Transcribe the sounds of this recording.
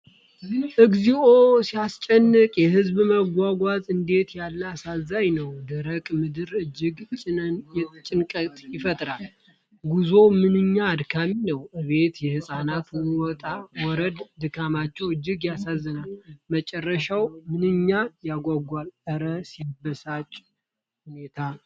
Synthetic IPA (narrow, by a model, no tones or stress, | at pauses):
ʔɨɡziosiast͡ʃʼɛnːɨkʼjɛɦɨzbməɡʷaɡʷazɨnd̪e̞t̪jalːəasazːajnəwd̪əɾəkʼmɨd̪ɨɾɨd͡ʒːɪɡt͡ʃʼɪnənjɛt͡ʃʼɪnkʼət̪ʼjɪfət̪ʼɾal | ɡuzo̞mɨnɨɲːaːd̪kʰaminəwʔɨβe̞t̪jɛhɨsʼanat̪wɪwɔt̪ʼawɔɾəd̪d̪ɨkʰamat͡ʃːɛwɨd͡ʒːɪɡjasazːənalmət͡ʃʼɛrːəʃawmɨnɨɲːajaɡʷaɡʷalʔəɾəsibəsat͡ʃʼ | hune̞t̪ʰa